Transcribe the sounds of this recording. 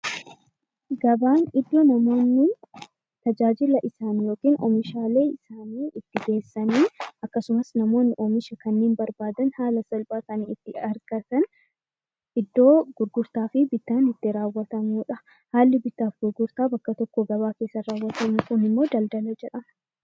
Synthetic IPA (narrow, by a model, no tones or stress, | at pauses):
ɡɐbaːnɪd̪ːoːnɐmo̞ːnːɪ | t̪ɐd͡ʒaːd͡ʒɪlɐʔɪsaːnjo̞ːkiːnʔɔ̰mɪʃaːle̞ːɪsaːniːɪt̪ːɪɡe̞ːsːɐniːɐkːɐsʊmɐsnɐmo̞ːnːɪʔɔmɪʃɐkɐnːeːnbɐɾbaːd̪ɐnhaːlɐsɐlbaːkɐniɪt̪ːɪɐɾɡɐt̪ɐn | ʔɪd̪ːo̞ːɡ̥ʊɾɡʊɾt̪aːfɪbɪt̪ːaːnɪt̪ːɪɾaːwːɐt̪ɐmuːᶑɐ | haːlːɪbɪt̪ːaːfɡʊɾɡʊɾt̪aːbɐkːɐt̪ɔkːɔɡɐβaːke̞ːsːɐɾaːwːɐt̪ɐmukʊnɪmːo̞ːd̪ɐld̪ɐlɐd͡ʒɛᶑɐmɐ